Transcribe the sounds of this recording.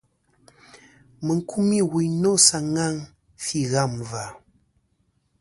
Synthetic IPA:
mə˨ŋ˦kʰu˦mi˦˨wi˨no˦sa˨ŋa˦˨ŋ | fi˦˨ɣa˦˨mva˨

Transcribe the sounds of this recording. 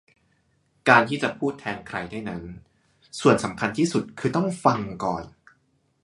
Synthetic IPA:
kaː˧nt̪ʰiː˥˩t͡ɕa˨˩pʰuː˥˩t̪ʰːɛː˧nkʰɾa˧jdaː˥˩jna˦˥n | su˨˩ənsa˩˦mkʰa˧nt̪ʰiː˥˩su˨˩t̪̚kʰɯː˧t̪ɔ˥˩ŋfa˧ŋkɔ̰ː˨˩n

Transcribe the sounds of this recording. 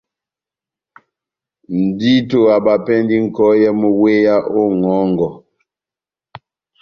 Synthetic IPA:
n̩˨di˦to˨a˨ba˨pɛ˦ndi˦ŋ̩˨kɔ˦jɛ˦mo˦we˦ja˦ʔo˦ŋɔ˨˦ŋɡɔ˨

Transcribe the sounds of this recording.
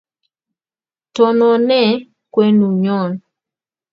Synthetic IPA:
tɔ˨nɔ˨nɛ˦˨ | kwe˦nu˨ɲɔ˦˨n

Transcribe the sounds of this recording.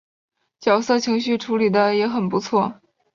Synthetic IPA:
t͡ɕjɑ˨˩ʊsɤ˥˩t͡ɕʰi˧˥ŋɕ̬y˥˩ʈ͡ʂʰu˧˥li˨˩d̪ə˦jɛ˧˥xə˨˩npu˧˥t͡sʰwɔ˥˩

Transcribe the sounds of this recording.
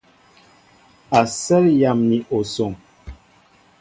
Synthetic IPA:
a˨sɛ˦lja˨mni˨ʔo˨so˨ŋ

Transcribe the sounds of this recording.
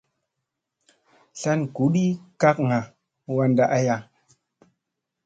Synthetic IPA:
ɬa˦nku˨˦ɗi˦ka˦kŋa˨ | wa˦nda˦ʔa˦ja˦

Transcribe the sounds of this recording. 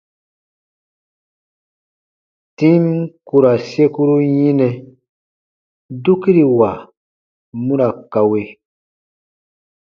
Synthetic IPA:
tĩ˦mku˨ɾa˨se˦ku˦ɾu˦jĩ˦nɛ̃˨ | du˦ki˦ɾi˨wa˨ | mũ˦ɾa˨ka˨we˦

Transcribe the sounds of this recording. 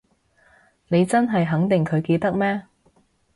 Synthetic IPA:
ne˨˧jt͡sɐ˥nɦɐ˨jɦɐ˨˥ŋt̪ɪ˨ŋkʰɵ˨˧ɥke˧t̪ɐ˥k̚mɛː˥

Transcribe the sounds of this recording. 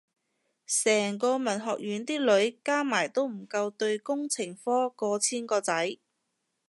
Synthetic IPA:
sɛː˨˩ŋkɔː˧mɐ˨˩nɦɔː˨k̚ɥyː˨˥nt̪iː˥lɵ˨˥ɥkaː˥maː˨˩jt̪o˥wm̩˨˩kɐ˧wt̪ɵ˧ɥkʊ˥ŋt͡sʰɪ˨˩ŋfɔː˥kɔː˧t͡sʰiː˥nkɔː˧t͡sɐ˨˥j

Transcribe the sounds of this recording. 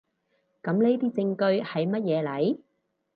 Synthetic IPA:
kɐ˨˧˥mle˥jt̪iː˥t͡sɪ˧ŋkɵ˧ɥhɐ˨jmɐ˥t̚jɛː˨˧lɐ˨˥j

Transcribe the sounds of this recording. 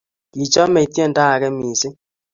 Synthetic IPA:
ki˨t͡ʃɔ˦me˨tjɛ˦˨nta˦a˨kɛ˦mi˨se˦

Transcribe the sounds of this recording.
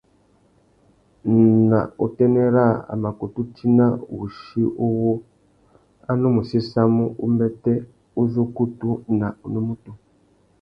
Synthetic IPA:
na̰˨u˨tɛ˦ne˦ɾa˦˨a̰˨ma˨ku˨tu˦tʰi˦na˦wu˨ʃi˦ʔo˦wo˦ | a˦no˦mu˨si˦sa˦mu˦ʔṵ˦mbɛ˦te˦ | u˦zo˦ku˦tu˦na˨u˨no˦mu˦tu˨

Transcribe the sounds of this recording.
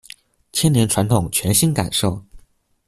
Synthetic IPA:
t͡ɕʰjɛ˥njɛ˧˥nʈ͡ʂʰwa˧˥nt̪ʰʊ˨˩ŋt͡ɕʰɥɛ˧˥nɕi˥nka̰˨˩nʂo˥˩ʊ

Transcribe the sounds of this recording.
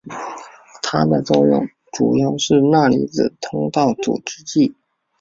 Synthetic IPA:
t̪ʰa˥d̪ə˨t͡so˥˧ʊjʊ̰˥˩ŋ | ʈ͡ʂu˨˩jɑ˥˧ʊʂɻ̩˥˧na˥˩lḭ˥˩d͡zɹ̩˨˩t̪ʰʊ˥ŋt̪ɑ˥˩ʊt͡sṵ˨˩ʈ͡ʂɻ̩˥t͡ɕi˥˩

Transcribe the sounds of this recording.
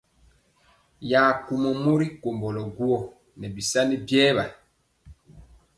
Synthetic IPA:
jaː˨ku˨mɔ˨mo˦ɾi˦ko˨mbɔ˨lɔ˨ɡu˦ɔ˦˨ | nɛ˨bi˨sa˦ni˦bjɛː˦βa˨

